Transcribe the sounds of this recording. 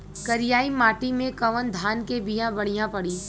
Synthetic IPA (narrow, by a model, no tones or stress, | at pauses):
kɐɾɪjaːimaːʈimẽkɐʋənd̪ʱaːnkebijãbɐɽ̤ijãpɐɽiː